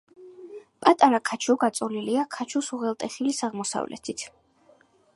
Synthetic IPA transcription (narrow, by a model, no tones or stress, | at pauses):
pʼat̪ʼaɾakʰat͡ʃʰɔɡat̪sʼɔliliakʰat͡ʃʰusuʁɛlˠt̪ʼɛχilisaʁmɔsa̰vlɛ̰t̪ʰit̪ʰ